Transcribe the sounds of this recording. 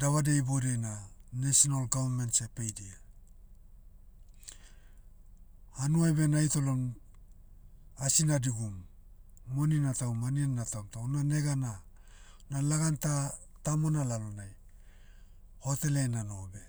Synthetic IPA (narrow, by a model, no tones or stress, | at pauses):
daβade̞jbodejnanesonalɡavamensepejdia | hanuajbe̞najto̞lon | asinadiɡumː | oninatawmanianːatamtawnane̞ɡana | nalaɡanta | tamo̞nalalonaj | ho̞te̞lenano̞be̞